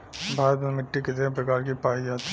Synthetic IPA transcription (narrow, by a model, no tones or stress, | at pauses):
bʱaːɾət̪mẽmɪʈːikɪt̪eɦẽp̬ɾɐkaːɾkipaːɦid͡ʒaːt̪